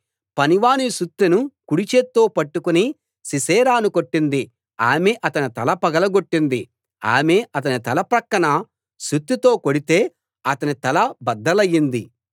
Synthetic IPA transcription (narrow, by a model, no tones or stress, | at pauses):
pɐniʋaːniʃut̪ːinukuɽit͡ʃeːt̪ːoːpɐʈːukuni | sisɛːɾaːnukoʈːind̪i | aːmeʔɐt̪ɐnit̪ɐlɐpɐɡɐlɐɡo̞ʈːind̪i | a̰ːme̞ːʔɐt̪̬ɐnit̪ɐlɐpɾɐkːɐɳɐ | ʃut̪ːit̪o̞ːkoɽit̪e̞ː | ɐt̪ɐnit̪ɐlɐbɐd̪ːɐlɐjːind̪i